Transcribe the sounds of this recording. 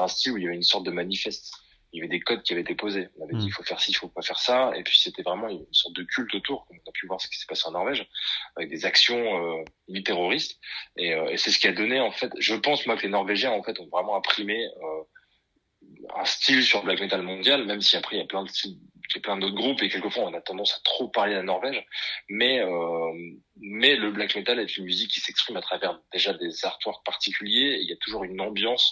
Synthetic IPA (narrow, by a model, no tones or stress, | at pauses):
ɛ̃st̪iluiljavɛynsɔʁt̪̚d̪əmanifɛst̪ | ljavɛd̪ekɔd̪̚kʲiavɛt̪epozeɔ̃navɛd̪iːfofɛʁsifokwafɛʁsaḛpɥiset̪ɛvʁɛmɑ̃jynsɔʁt̪̚d̪əkʲylt̪ot̪uʁkɔmɔ̃napyvwaʁsə̥kʲi̥sɛ̥paseɑ̃nɔʁvɛʒavɛk̚d̪ezaksjɔ̃ø | nit̪eʁɔʁist̪eøesɛsə̥kʲiad̪ɔneɑ̃fɛt̪ʒəpɑ̃smwakəlenɔʁveʒjɛ̃ɑ̃fɛt̪ɔ̃vʁɛmɑ̃ɛ̃pχimeø | ɛ̰̃st̪ilsyʁləblakmet̪almɔ̃d̪jalmɛmsiapχɛiljaplɛ̃d̪əsijaplɛ̃d̪ot̪ɡʁupekʲɛlkəfwaɔ̃nat̪ɑ̃d̪ɑ̃sḁt̪χopaʁledlanɔʁvɛʒmɛø | mɛləblakmet̪alɛt̪ynmyzikʰʲːi̥sɛkspχimat̪χavɛʁd̪eʒad̪ezaʁt̪waʁpaʁt̪ikʲʰyljeːiljat̪uʒuʁynɑ̃bjɑ̃s